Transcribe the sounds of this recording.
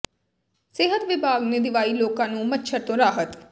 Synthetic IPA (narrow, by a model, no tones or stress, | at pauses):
sɪɦət̪ʋɪbʱaːɡneːd̪ɪʋaːiːloːkãːnũːmətːʃʰəɾt̪õːɾaːɦət̪